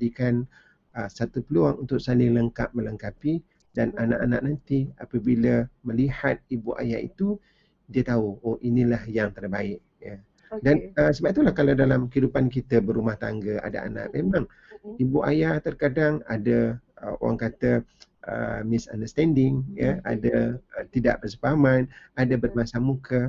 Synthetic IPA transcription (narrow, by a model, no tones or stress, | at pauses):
dikan | əsat̪upəluaŋunt̪ʊʔ̚salɪŋləŋkap̚mələŋkapi | dananaʔanaʔnant̪iapəbiləməlihat̪̚ibuʔa̰ja̰ḭt̪u | diət̪auoʔinilahjaŋt̪ərbaɪʔ̚ | ja | danəsəbap̚t̪ulahkalawdalamkəidupankit̪əbəɾumaht̪a̰ŋɡəa̰da̰a̰na̰ʔmemãŋ | ibuʔa̰jat̪ərkadaŋa̰dəəo̰wa̰ŋkat̪ə | ʔə̰mɪsa̰ndəst̪ɛndɪŋjəa̰dət̪ida̰ʔpərsəpaamanadəbərmasamukə